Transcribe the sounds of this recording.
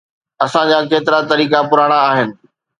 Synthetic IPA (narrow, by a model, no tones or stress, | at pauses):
ɐsãd͡ʑaːkeːt̪ɪɾat̪ɐɾiːkapʊɾaːɽ̃aːɦɪnɪ̆